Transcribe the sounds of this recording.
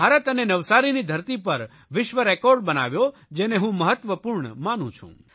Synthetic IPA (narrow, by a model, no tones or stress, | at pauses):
bʱaɾət̪ənenəʋsaɾinid̪ʱəɾt̪ipəɾ | ʋɪʃʋəɾɛkɔɾɖbəna̰ʋjod͡ʒeneɦũməɦət̪ʋəpuɾɳəmanṵ̃t͡ʃʰṵ̃